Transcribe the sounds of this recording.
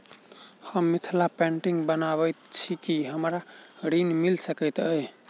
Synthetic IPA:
həmːit̪ʰlapɛ̃ɳʈiŋɡbənaβət̪t͡ʃʰikiɦəmɾaɾinmilsəkəɪt̪əj

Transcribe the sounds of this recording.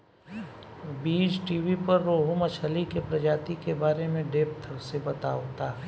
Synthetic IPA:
biːd͡ʒʈiːʋipɐɾːoːɦʊmɐt͡ʃʰəlikepɾɐd͡ʒaːt̪ikebaːɾemẽɖeːp̚t̪ʰəbsebɐt̪aot̪aː

